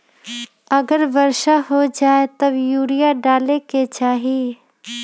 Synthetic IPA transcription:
ɐɡəɾʋəɾʃaɦod͡ʒaːet̪ɐbjuːɾijaɖaːleket͡ʃaːɦi

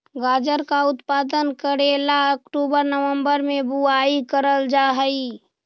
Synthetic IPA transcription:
ɡaːd͡ʒəɾkaʊt̪paːd̪ənkəɾelaəkʈuːbəɾnəʋə̃mbəɾmẽbuaikəɾəld͡ʒaɦəi

